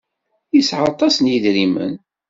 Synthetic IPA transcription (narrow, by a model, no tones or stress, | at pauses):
jisʕɑt̪ˤɑsnjiðɾimə̰n